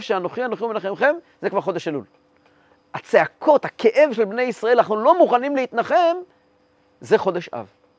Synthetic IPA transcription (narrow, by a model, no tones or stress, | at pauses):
fʃeano̞χianoχiumenaχemχe̞m | zekvaʁχo̞d̪eʃalul | at͡seakʰo̞t̪hakʰe̞ʔe̞vʃe̞lbne̞jisʁae̞lanaχnulo̞muχanimleit̪naχe̞m | zeχo̞d̪eʃʔa̰v